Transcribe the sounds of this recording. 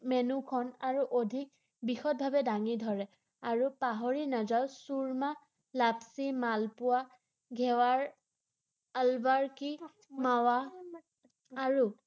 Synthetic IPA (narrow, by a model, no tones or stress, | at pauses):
mɛnukʰɔnaɹuʔodʱik̚ | bixɔt̚bʱabɛdaŋidʱɔɹɛ | aɹupaɦoɹinazaʊsuɹma | lapsimalpʊwa | ɡʱɛwaɹ | albaɹki | mawa | aɹu